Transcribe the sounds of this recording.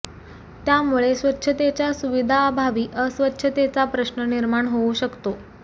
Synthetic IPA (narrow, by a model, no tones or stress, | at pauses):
t̪jamuɭesʋətːɕʰət̪et͡ɕjasuʋid̪ʱaːbʱaʋiːʔəsʋətːɕʰət̪et͡sapɾəɕnəniɾmaɳɦouɕəkt̪o